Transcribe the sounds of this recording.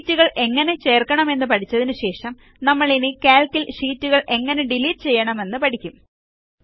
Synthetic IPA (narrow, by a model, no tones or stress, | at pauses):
tːuɣɐɭe̞ŋːɐne̞t͡ɕe̞ːrkɐɳɐme̞nːɨpɐʈʰit͡ɕːɐðinɨɕe̞ːʂɐm | nɐmːɐɭinikaːlkːilʂiːtːuɣɐɭʔe̞ŋːɐne̞ɖiliːʈ̚t͡ɕe̞jːɐɳɐme̞nːɨpɐʈʰikʲːum